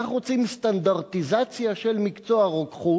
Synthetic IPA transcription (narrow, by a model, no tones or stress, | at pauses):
aχʁot͡simst̪andaʁt̪izat͡sjaʃe̞lmikt͡soaʁokχu